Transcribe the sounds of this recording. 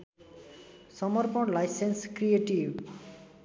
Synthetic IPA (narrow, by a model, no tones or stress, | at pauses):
sɔmɔɾpɔlajsenskɾieʈiʋ